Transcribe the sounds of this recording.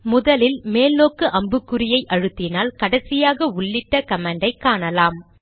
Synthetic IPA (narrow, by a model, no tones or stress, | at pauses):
mʊðɐlɪlmeːlnoːkɯʔɐmbɯkːɯɾɪjɐɪʔɐɻɯt̪ːɪnaːlkɐɽɐsɪjaːɣɐʊɭːɪʈːɐkɐmaːɳɖɐɪkːaːɳɐlaːm